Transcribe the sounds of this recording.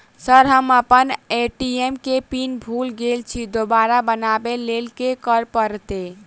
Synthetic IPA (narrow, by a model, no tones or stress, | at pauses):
səɾɦəməpəneʈiemkepinbʱulɡelt͡ʃʰid̪obaɾabənabelelkekəɾpəɾt̪e